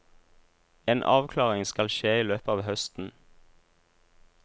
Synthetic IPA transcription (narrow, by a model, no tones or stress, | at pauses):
eːnʔɑ̰ːʋkʰlɑːʁɪŋskɑlʃeːiːløːpəɑːʋhœst̪n̩